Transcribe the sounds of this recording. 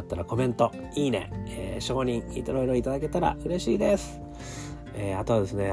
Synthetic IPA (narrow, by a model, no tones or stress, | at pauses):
t̪ːaɾako̞mẽ̞nt̪o̞ | iːne̞̰ḛɕo̞ːɲ̟ĩŋḭt̪oɾoiɾoit̪ad̪ake̞t̪aɾa̰ʔɯ̟ɾe̞ɕiːd̪e̞sɨ̥ | eːat̪o̞ad̪e̞sɨne̞